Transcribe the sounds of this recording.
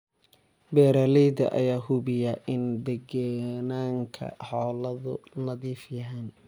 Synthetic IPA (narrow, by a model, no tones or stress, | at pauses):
bɛːɾaːlɛjdɐ̰ʔɐ̰jaːɦʊβɪjɐʔɪnd̪ɛɡɐnaːŋkʰɐ̰ħɔːlɐðʊ̰nɐðiːfjɐɦɛn